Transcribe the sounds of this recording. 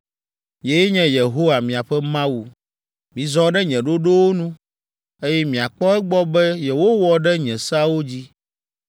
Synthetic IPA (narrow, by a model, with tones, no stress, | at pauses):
je˦jɛ˦ɲɛ̃˦je˨ɦo˦wa˨mĩ˨a˨ɸɛ˦mã˦wu˨ | mĩ˨zɔ̃˦ɖɛ˦ɲɛ̃˨ɖo˦ɖo˦wo˦nũ˦ | e˦jɛ˦mĩ˨a˨k͡pɔ˦ɛ˦ɡ͡bɔ˦bɛ˦jɛ˨wo˦wɔ˦ɖɛ˦ɲɛ̃˨sa˦wo˦d͡ʑi˦